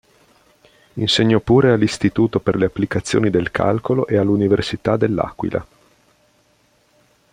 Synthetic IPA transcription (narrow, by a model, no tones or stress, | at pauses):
inseɲːɔpːuːɾealːist̪it̪uːt̪operleapːlikat̪sːjo̰ːnid̪elkʰa̰lkoloʔealːuniversit̪ad̪elːa̰kwḭla̰